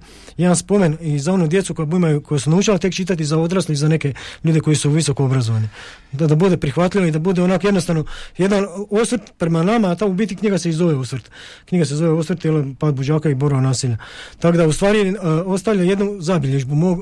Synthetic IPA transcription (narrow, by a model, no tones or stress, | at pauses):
jed̪anspo̞menizao̞nud̪je̞t̪suko̞jabuimajuko̞jesunaut͡ʃalat̪e̞kt͡ʃit̪at̪izao̞d̪ɾasliizane̞ke̞ʎuːd̪eko̞jisuʋiso̞koobɾazo̞ʋani | d̪abud̪e̞pɾixʋat̪ʎʲiʋaid̪abud̪eonaːkjed̪nost̪anoje̞d̪ano̞sʋərɾt̪pɾe̞manamaːt̪aubiːt̪kikɲiɡaseizo̞ʋeosʋɾt̪kɲiɡas̬ezo̞ʋeosɾt̪jelopaːd̪̚bod͡ʒaːkaiboɾaonaːsiʎat̪akod̪aust̪ʋaːɾio̞st̪aʋʎʲajed̪nuzabiʎeʒbumoɡ